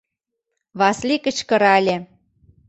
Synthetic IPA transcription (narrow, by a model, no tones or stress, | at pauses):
βɑslikə̆t͡ɕkɤ̆ɾɑlʲe